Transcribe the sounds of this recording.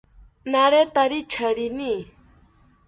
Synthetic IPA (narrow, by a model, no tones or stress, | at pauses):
naɾet̪aɾit͡ʃʰəɾini